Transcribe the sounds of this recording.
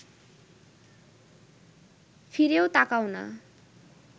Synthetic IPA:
pʰiɾjowt̪akawnʌ̰

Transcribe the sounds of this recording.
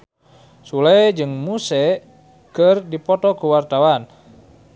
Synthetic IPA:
sulɛd͡ʒɨŋmusɛ | kərdipɔt̪ɔkuwart̪awan

